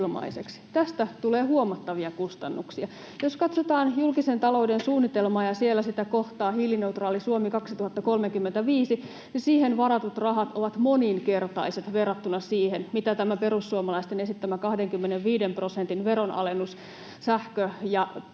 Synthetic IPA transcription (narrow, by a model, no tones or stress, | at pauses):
lmɑ̰isekst̪æst̪æt̪uleːhuomɑt̪ːɑʋiɑkust̪ɑnːuksiɑ | joskɑt̪sot̪ɑːnjulkisent̪ɑlo̞udensuːnːit̪elmɑːjɑsielːæsit̪ækoht̪ɑːhiːline̞ut̪rɑːlisuomikɑksit̪uhɑt̪ːɑkolmekymːent̪æʋiːsi | nisiːhenʋɑɾɑt̪ut̪rɑɦɑt̪ʔoʋɑt̪moninke̞rt̪ɑiset̪ʋerːɑt̪ːunɑsiːhenmit̪æt̪æmæpeɾusːuomɑlɑist̪enesit̪ːæmækɑhdeŋkymːeneʋʋiːdemprosent̪inʋeɾonʔɑ̰lenːus | sæhkøjɑ